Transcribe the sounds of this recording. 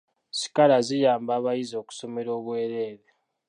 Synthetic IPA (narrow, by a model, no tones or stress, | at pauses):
si̥kalazijaːmbaːβajizo̞ːku̥so̞me̞ɾo̞ːβwe̞ːɾe̞ːɾe